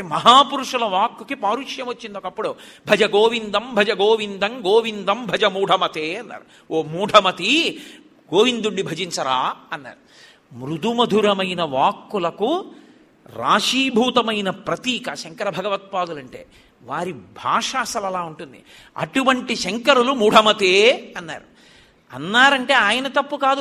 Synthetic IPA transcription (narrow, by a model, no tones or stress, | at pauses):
emɐɦaːpuɾuʂulɐʋaːkːukipaːɾuʂjɐmot͡ʃːind̪oːkɐpːuɽubʱɐd͡ʒɐɡoːʋind̪ɐmbʱɐd͡ʒɐɡoːʋind̪ɐŋɡoːʋind̪ɐmbʱɐd͡ʒɐmuːɖʱɐmɐt̪eːɐnːa̰ːɾu | oːmuːɖʱɐmɐt̪i | ɡoːʋind̪uɳɖibʱɐd͡ʒiɲt͡ʃɐɾaːɐnːa̰ːɾu | mɾud̪umɐd̪ʱuɾɐmɐjnɐʋaːkːulɐku | ɾa̰ːʂiːbʱuːt̪ɐmɐjnɐpɾɐt̪iːkɐʃɐŋkɐɾɐbʱɐɡɐʋɐt̪̚paːd̪ulɐɳʈe̞̰ː | ʋaːɾibʱaːʂaːsɐlɐlaːuɳʈund̪ḭ | ɐ̰ʈuʋɐɳʈiʃɐŋkɐɾulumuːɖʱɐmɐt̪eːɐnːa̰ːɾu | ɐ̰nːaːɾɐɳʈe̞ːaːjɐnɐt̪ɐpːukaːd̪